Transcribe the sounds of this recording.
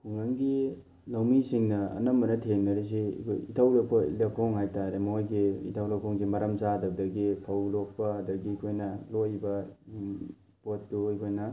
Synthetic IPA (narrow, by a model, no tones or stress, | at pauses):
pʰuŋaŋɡi | lawmisiŋnɐɐ̰nɐmːɐnɐtʰeŋnɐɾes̬ḭkʰo̰jitʰawlɐk̚ʰo̰lekʰoŋɦajtaɾemɐojɡiḭtʰawlakʰoŋsimɐɾamt͡ʃadɐb̚dɐɡipʰawlok̚pɐːdɐɡikʰojnɐlojbɐ | potduijkʰojnɐ